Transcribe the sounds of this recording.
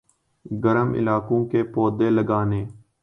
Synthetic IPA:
ɡəɾəmɪ̰laːkõːkeːpoːd̪eːləɡaːneː

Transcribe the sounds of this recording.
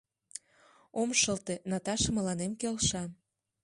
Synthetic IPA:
omʃəlt̪enɑt̪ɑʃə̆mə̆lɑnemkelʃɑ

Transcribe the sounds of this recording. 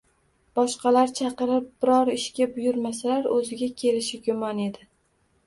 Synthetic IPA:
b̥ɒʃqɑlaɾt͡ʃʰɑqɨɾɪp̚b̥ɪɾɒɾɪʃkʲabʊjʊɾmasalaɾɵzɪɡʲakʲʰe̞lɪʃɪɡʲʊmɒne̞d̪ɪ

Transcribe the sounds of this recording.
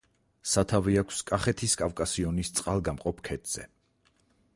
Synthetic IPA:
sat̪ʰaviakʷʰskʼaχɛt̪ʰiskʼafkʼasiɔnist̪sʼqʼalˠɡamqʼɔpʰkʰɛt̪ʰz̥ɛ̰

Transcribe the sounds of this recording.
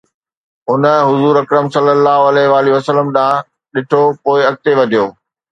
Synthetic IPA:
ɦʊnə̆ɦʊzuːɾɐkɾəmsɐlːəlːaːɦoɐlɛːɦɪʋaːliʋɐsələmɗaã | ɗɪʈʰopoːɪɐk̚t̪eʋɐd̪ʱijoː

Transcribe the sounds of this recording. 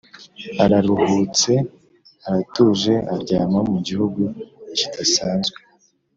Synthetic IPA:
aɾaɾuhuːt͡se̞ | aɾatuʒe̞ʔaɾɟaːmamuɟihuɡuici̥dasaːnzɡwe

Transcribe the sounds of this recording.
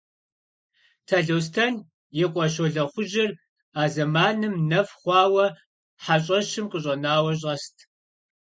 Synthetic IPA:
tʰɐɮows̬tʰɐn | jɛqʷʼɔʃ̬oɮɐχʷʊʒɪr | aːzɐmaːnɨmnɐfχʷɑːwɐ | ħaɕʼɐʃɪmqʼəɕʼɐnaːwɐɕ̬ʼɐstʰ

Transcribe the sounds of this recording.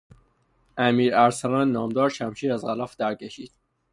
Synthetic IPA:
ʔæmiːɾæɾsænænːɒːmd̪ɒːɾʃæmʃiːɾæzɣælɒːfd̪æɾcʰeʃiːd̪̥

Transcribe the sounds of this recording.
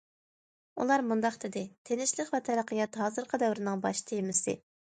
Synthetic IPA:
ṵlˠɑɾmund̪ɑqt̪ʰɪd̪ɪt̪ʰenɪʃlˠəqvɛt̪ʰɛɾæqəjɑt̪ɦɑːzɨɾqʰɑd̪ɛwɾɪnɨŋbɑʃt̪ʰejmɪsɪ̰

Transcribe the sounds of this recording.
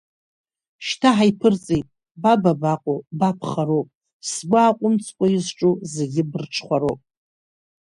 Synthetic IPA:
ʃtʰaħajpʰɨrt͡sʼejtʼ | bababaqʷʼobapʰχaɾowpʼ | sɡʷʊaqʷʼʊmt͡sʰʼkʷʼajɪzʈ͡ʂʼuzeɡʲɪbɨrʈ͡ʂʰχʷaɾo̰pʼ

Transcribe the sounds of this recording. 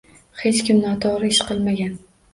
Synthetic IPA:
he̞t͡ʃkʲɪmnɒt̪ʰɒɾɪɪʃqɨlˠmaɡʲan

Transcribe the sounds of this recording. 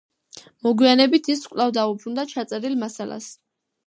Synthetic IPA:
mɔɡwianɛbit̪ʰiskʼlˠavd̪aupʰɾund̪at͡ʃʰat̪sʼɛɾilmasala̰s

